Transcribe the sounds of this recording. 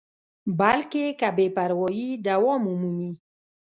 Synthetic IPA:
balkekabepaɾwɔjid̪awɔmumumi

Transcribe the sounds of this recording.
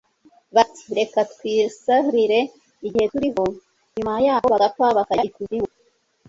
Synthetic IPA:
βati̥ɾe̞katkwiːsahɾiɾe̞ | iɟihetuɾiho̞ | ɲumajaːhoβaɡat̚waβakaɟikuziwo

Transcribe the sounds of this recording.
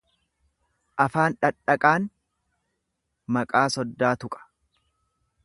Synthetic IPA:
ʔɐfaːnᶑɐᶑːɐkʼaːn | mɐkʼaːsɔd̪ːaːt̪ʊkʼɐ̥

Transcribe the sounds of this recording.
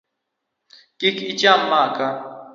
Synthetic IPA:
kikʰit͡ʃamːaːka

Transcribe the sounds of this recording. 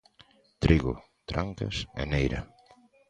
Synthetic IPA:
t̪ɾiɣʊ̰ | t̪ɾaŋka̰sɛ̰nejɾɐ̰

